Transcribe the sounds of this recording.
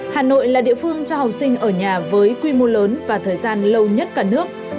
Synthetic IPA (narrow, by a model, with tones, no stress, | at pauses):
haː˨˩no̰˧˨jlaː˨˩ɗḭ˧˨əfɨ˧əŋt͡ɕɔ˧ha˨˩w̚sï˧ŋ̟ʔəː˧˩ɲaː˨˩vəː˨˦jkwi˧mo˧ləː˨˦nvaː˨˩t̪ʰəː˨˩jzaː˧nlə˧wɲə˦˥t̚kaː˧˩nɨ˦˥ək̚